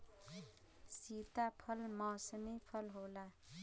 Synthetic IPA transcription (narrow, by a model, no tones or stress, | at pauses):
sit̪apʰʌlmʌsnipʰʌlɦola